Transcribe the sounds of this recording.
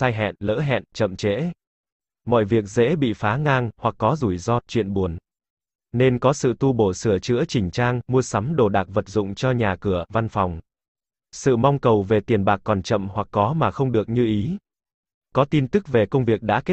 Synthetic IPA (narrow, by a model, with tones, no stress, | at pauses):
saː˧jɦɛ̰˧˨nlə̰ː˧˥ɦɛ̰˧˨nt͡ɕə̰˧˨mt͡ɕḛ˧˥ | mɔ̰˧˨jvi˨˩ək̚zḛ˧˥ɓḭ˧˨faː˨˦ŋaː˧ŋhwa˨˩kːɔ˨˦zu˧˩jzɔ˧t͡ɕwḭ˧˨ənɓu˨˩ən | ne˧nkɔ˨˦sɨ̰˧˨t̪u˧ɓo˧˩sɨ˧˩ət͡ɕɨ̰˧˥ət͡ɕï˨˩ŋ̟t͡ɕaː˧ŋmu˧əsa˨˦mɗo˨˧˩ɗaː˨˩k̚və˨˩t̚zʊ̰˧˨ŋ͡mt͡ɕɔ˧ɲaː˨˩kɨ˧˩əva˧nfɔ˨˩wŋ͡m | sɨ̰˧˨ma˧wŋ͡mkə˨˩wve˨˩t̪i˨˩ənɓaː˨˩k̚ːɔ˨˩nt͡ɕə̰˧˨mhwa˨˩kːɔ˨˦maː˨˩xə˧wŋ͡mɗɨ˨˩ək̚ɲɨ˧ʔi˨˦ | kɔ˨˦t̪i˧nt̪ɨ˦˥k̚ve˨˩kə˧wŋ͡mvi˨˩ək̚ɗa̰ː˧˥ke˦˥